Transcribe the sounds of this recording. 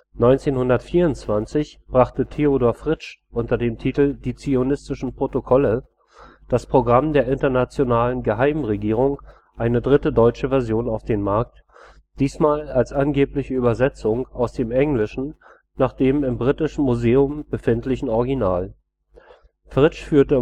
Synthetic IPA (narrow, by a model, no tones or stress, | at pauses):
nɔʏnt͡seːnhʊndɐtfiːɐʊntt͡sv̥ant͡sɪçb̥ʁaχtətʰeodoːɐfʁ̥ɪt͡ʃʔʊntɐdeːmtʰiːtl̩diːt͡sionɪstɪʃn̩pʁ̥otokʰɔlə | d̥aspʁ̥oɡʁamdeːɐʔɪntɐnat͡sjonaːlənɡəɦaɪmʁeɡiːʁ̞ʊŋ | ʔaɪnədʁɪtədɔʏt͡ʃəvɛɐzjoːnaʊfd̥eːnmaɐk̚t | d̥iːsmaːlalsʔanɡeːplɪçəyːbɐzɛt͡sʊŋaʊsd̥eːmʔɛŋlɪʃn̩ | naːχd̥eːmɪmbʁitɪʃn̩muzeːʊmb̥əfɪntlɪçn̩ɔʁɡinaːl | fʁ̥ɪt͡ʃfyːɐtə